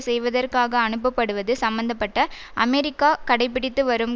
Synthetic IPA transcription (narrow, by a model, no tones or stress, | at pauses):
sɛjʋɐðɐrkaːɣɐːɳɯp̬ːɐpːɐɽɯʋɐðɯsɐmbɐnd̪ɐpːɐʈːɐ | ʔɐmeɾɪkːaːkɐɽɐɪp̬ːɪɽɪt̪ːɯʋɐɾɯm